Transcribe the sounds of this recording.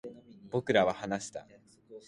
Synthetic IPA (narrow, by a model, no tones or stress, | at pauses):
b̥o̞kɯ̟ɾaβahanaɕi̥t̪a̰